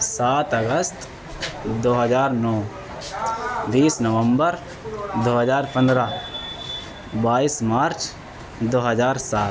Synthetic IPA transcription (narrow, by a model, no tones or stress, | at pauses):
saːt̪əɡəst̪ | d̪oːɦəzaːɾnɔː | d̪iːsnəʋə̃mbəɾ | d̪oːɦəd͡ʒaːɾpə̃nd̪ɾa | baːiːsmaːɾt͡ʃ | d̪oːɦəzaːɾsaːt̪